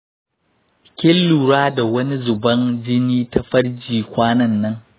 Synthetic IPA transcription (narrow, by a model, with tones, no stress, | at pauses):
kʲɪ˦lːu˨ɾaː˦da˨wɐ˦ni˦zʊ˨bɐ˦nd͡ʒɪ˦niː˦ta˦ɸɐ˦ɽd͡ʒiː˨kʷaː˦nɐ˦nːɐ˦ŋ